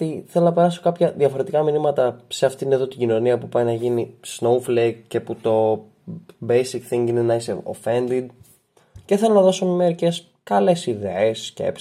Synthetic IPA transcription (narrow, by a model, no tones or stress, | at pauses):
t̪iθelo̞nɐpe̞ɾɐso̞kɐpçɐðʝɐfo̞ɾe̞t̪ikɐminimɐt̪ɐseɐft̪iineðo̞t̪iɟino̞niɐpupɐjnɐʝinisnowflek̚ce̞put̪o̞ | bejsikθiŋɡinenɐisḛo̰fe̞nd̪id̪̚ | ceθelonɐðo̞somimeɾice̞s | kɐle̞siðeesːce̞̰p